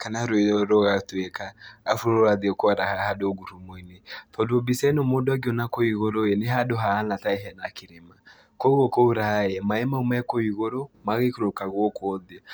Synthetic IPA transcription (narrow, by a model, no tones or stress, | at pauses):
kanaɾoeɔɾɔɣatwɛkaːfuɾoɾoaðiɔkoaɾahahadoɡuɾumoinetɔdobisɛnomodoaɡiɔnakoiɣoɾoeneɦadoɦaːnataeɦɛnakeɾema | koɣɔkouɾaɛmaɛmaumɛkoiɣoɾomaɣekoɾokaɣwɔkɔðe